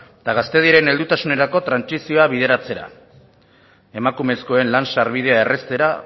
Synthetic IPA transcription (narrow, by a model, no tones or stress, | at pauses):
t̪aɣast̪e̞ð̞ieɾe̞ne̞ld̪ut̪asune̞ɾako̞t̪ɾansisio̞aβið̞e̞ɾat͡se̞ɾa̰ | e̞makume̞sko̞e̞nlansaɾβið̞e̞ae̞re̞st̪e̞ɾa